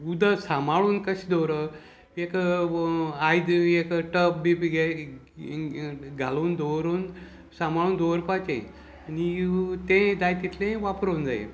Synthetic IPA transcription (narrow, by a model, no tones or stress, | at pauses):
ud̪əsamaɭuːnkəɕid̪oɾə | ekə | ajd̪ekəʈəpbipiɡe | ɡʱaluːnd̪oʋɾuːn | sãmaɭuːnd̪ʱoəɾpat͡ɕḛ̃ | anit̪ẽd̪ajt̪it̪lẽʋapɾond͡zajḛ